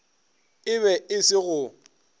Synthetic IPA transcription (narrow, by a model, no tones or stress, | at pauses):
ɪβɛɪsɪɣʊ